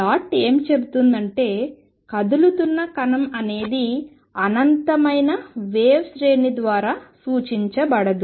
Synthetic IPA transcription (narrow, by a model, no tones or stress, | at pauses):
aːʈeːmt͡ʃe̞but̪und̪ɐɳʈe̞ː | kɐd̪ulut̪unːɐkɐnɐmɐne̞ːd̪i | ɐnɐnt̪ɐmɐjnɐʋeːʋsɾeːnid̪ʋaːɾaːsuːt͡ʃiɲt͡ʃɐbɐɽɐd̪u